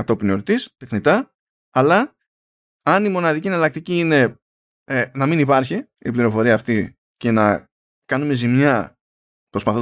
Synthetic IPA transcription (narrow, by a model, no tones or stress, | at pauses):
ɐt̪o̞pinoɾt̪ist̪exnit̪ɐː | lɐ | ɐnimo̞nɐðicienɐlɐk̚t̪iciine̞ | nɐminipɐɾçi | ipliɾo̞fo̞ɾiɐːft̪i | ce̞nɐ | kɐnume̞zimɲɐ | pɾo̞spɐθo